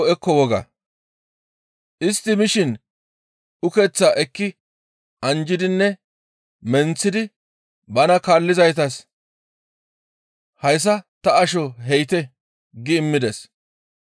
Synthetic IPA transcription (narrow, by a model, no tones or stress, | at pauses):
ɛkːɔwɔɡɐ̰ | ʔɪst̪ːɪmɪʃɪn | ʊkɛt͡sːaʔɛkːɪ | ʔɐnd͡ʒɪd̪ɪnːɛ | mɛnt͡sːɪd̪ɪ | bɐnɐkaːlːɪzɐjt̪ɐs | hɐjs̬ɐt̪ɐɐʃɔɦɛjt̪ɛ | ɡɪːmːɪd̪ɛs